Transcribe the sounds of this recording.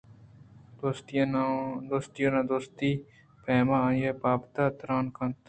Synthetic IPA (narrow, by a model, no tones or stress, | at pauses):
d̪̥oːst̪ːnd̪oːst̪ijõːnãːd̪oːst̪iː | pɛːmãːãːjepaːpt̪aːt̪ɾaːnkənt̪